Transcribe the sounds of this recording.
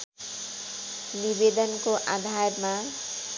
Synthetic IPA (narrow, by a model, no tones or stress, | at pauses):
nibed̪ɔnkoʔad̪ʱajɾma